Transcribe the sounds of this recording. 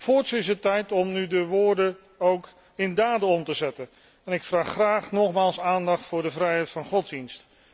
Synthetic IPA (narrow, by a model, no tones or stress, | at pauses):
fʊːɹtsɪs̬ətːɛjtɔmnydəʋʊːɹdə | owk | ɪndaːdəɔmtəzɛtən | ɛnɪkfraːχːraːχnɔχmaːlˠsaːndɑχtfʊːɹdəvrɛjɦɛjtfɑnχɔdzdinst